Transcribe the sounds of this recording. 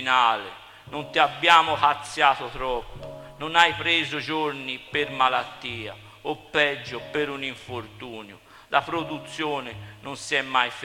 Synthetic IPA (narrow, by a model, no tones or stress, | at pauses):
naːlḛ | nont̪iabːjaːmʊpat̪sːjaːt̪ot̪ɾɔpːononajpɾeːzod͡ʒoɾnipeɾmalat̪ːiːa̰ | opːɛd͡ʒːʊpeɾuniɱfoɾt̪uːnju | lapɾod̪ut̪sːjoːnɪnonsiɛmːajf